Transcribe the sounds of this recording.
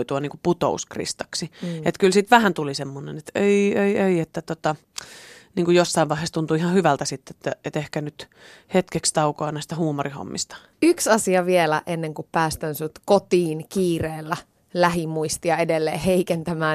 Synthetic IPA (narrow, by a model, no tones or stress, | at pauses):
t̪uɑniŋkuput̪o̰uskrḭst̪ɑksiet̪kylsit̪ʋæhænt̪ulisemːonḛnet̪eieieiet̪ːæt̪ot̪ɑ | niːŋkujosːɑiʋɑˑihest̪unt̪uihɑhyʋælt̪æsit̪ːet̪ːæet̪ehkænyt̪ | het̪kekst̪ɑukɑɑnæˑist̪æhuːmoriho̰mːist̪ɑ̥ | yksɑsiɑʋielæʔenːeŋkuppæːst̪ænsut̪kot̪iːnkiːreːlːæ | læɦimuist̪iɑedelːeːheikent̪æmæː